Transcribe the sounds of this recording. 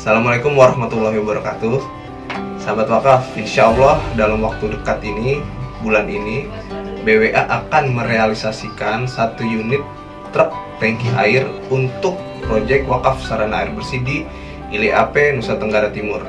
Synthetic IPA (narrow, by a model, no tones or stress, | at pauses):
asalamalekʊmwaɾahmat̪ulːaɦiwabəɾakat̪u | sambat̪wakafinʃaɔlːahdalamwak̚t̪udəkat̪inibulanini | beweʔaʔakanməɾealisasikansat̪ujunɪt̪ː | ɾəp̚t̪ɛŋkiɦaɪrunt̪ʊk̚ | pɾod͡ʒɛk̚t̪wakafsaɾana̰ɪrbərsidi | iliʔapɛnusat̪əŋɡaɾat̪imʊr